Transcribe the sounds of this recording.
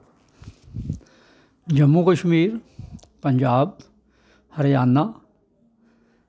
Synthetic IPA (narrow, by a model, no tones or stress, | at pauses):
d͡ʒɐmːukəʃmiːɾ | pɐɲd͡ʒaːb̚ | hɐɾjaːnːa